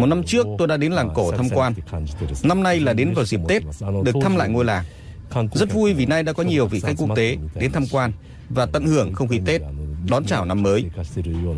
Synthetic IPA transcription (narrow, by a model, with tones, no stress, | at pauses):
mo˨˩t̚na˧mt͡ɕɨ˦˥ək̚t̪o˧jɗa̰ː˧˥ɗe˨˦nlaː˨˩ŋko˧˩t̪ʰaː˧mkwaː˧nna˧mna˧jlaː˨˩ɗe˨˦nvaː˨˩wzi˨˩p̚t̪e˦˥t̚ɗɨ˨˩əkt̪ʰa˧mla̰ː˧˨jŋo˧jlaː˨˩ŋ | zə˦˥t̚vu˧jvi˨˩na˧jɗa̰ː˧˥kɔ˨˦ɲi˨˩əwvḭ˧˨xa˦˥jk̚ku˦˥ə˥kt̪e˨˦ɗe˨˦nt̪ʰa˧mkwaː˧n | vaː˨˩t̪ə̰˧˨nhɨ˧˩əŋxə˧wŋ͡mkḭ˧˨t̪e˦˥t̚ɗɔ˨˦nt͡ɕaː˧˩wna˧mːəː˨˦j